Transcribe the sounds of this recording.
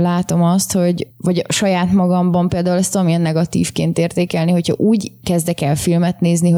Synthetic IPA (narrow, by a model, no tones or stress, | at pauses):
laːt̪o̞mɒst̪ho̞ɟvɒɟʃɒjaːt̪mɒɡɒmbɒmpeːld̪aːulɛst̪ɒmiɛnːɛɡɒt̪ḭːfkeːnt̪eːrt̪eːkɛlniɦo̞chɒ̰ʔuːɟkɛzd̪ɛkɛlfilmɛt̪neːzniɦo